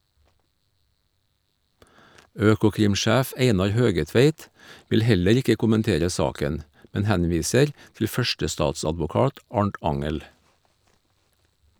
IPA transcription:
ˈøːkʊkɾɪmˌʃæːf ˈeɪnɑɾ ˈhøːɡəˌtʋeɪt ˈʋɪl ˈhɛləɾ ˈɪkə kʊmənˈteːɾə ˈsɑːkən ˈmɛn ˈhænˌʋiːsəɾ tl̩ ˈfœʃʈəˌstɑːtsɑdʋʊˌkɑːt ˈɑɳʈ ˈɑŋəl

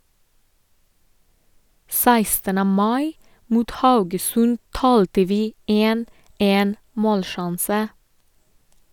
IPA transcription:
ˈsæɪstənə ˈmɑɪ ˈmuːt ˈhɑʉɡəsʉn ˈtɑːltə ˈʋiː ˈeːn ˈeːn ˈmoːlˌʃɑnsə

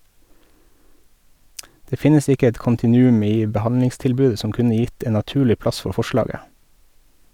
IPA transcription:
ˈdeː ˈfɪnəs ˈɪkə ˈɛt kʊntɪˈnʉːʉm ˈiː bəˈhɑnlɪŋstɪlˌbʉːə ˈsɔm ˈkʉnə ˈjɪt ˈeːn nɑˈtʉːlɪ ˈplɑs ˈfɔ ˈfɔˌʃlɑːɡə

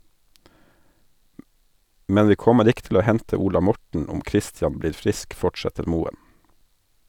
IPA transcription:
ˈmɛn ˈʋiː ˈkɔməɾ ˈɪk tl̩ ˈoː ˈhɛntə ˈuːlɑ ˈmɔʈɳ̩ ˈɔm ˈkɾɪstjɑn ˈbliːɾ ˈfɾɪsk ˈfɔʈsɛtəɾ ˈmuːən

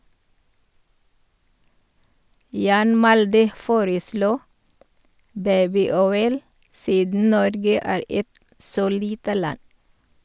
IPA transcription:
ˈjɑːn ˈmɑldə ˈfoːɾəˌsluː ˈbæɪbɪˌɔʏl ˈsiːdn̩ ˈnɔɾɡə ˈæːɾ ˈɛt ˈsoː ˈliːtə ˈlɑn

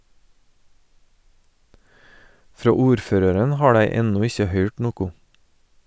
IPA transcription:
ˈfɾoː ˈuːɾˌføːɾəɾən ˈhɑː ˈdæɪ ˈɛnʊ ˈɪçə ˈhœʏʈ ˈnuːkʊ

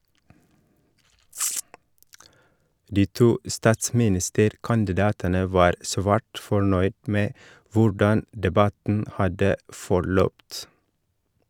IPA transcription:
ˈdiː ˈtuː ˈstɑːtsmɪˌnɪstəɾkɑndɪˌdɑːtənə ˈʋɑːɾ ˈsʋæːʈ fɔˈɳœʏd ˈmeː ˈʋʊɖɑn dɛˈbɑtn̩ ˈhɑdə fɔˈɭœpt

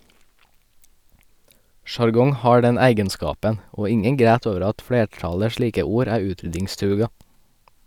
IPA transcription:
ʃɑɾˈɡɔŋ ˈhɑː ˈɖɛn ˈæɪɡənˌskɑːpən ˈoː ˈɪŋəŋ ˈɡɾæːt ˈoːʋəɾ ˈɑt ˈfleːˌʈɑlə ˈʃliːkə ˈuːɾ ˈæː ˈʉːtɾʏdɪŋˌstɾʉːɡɑ

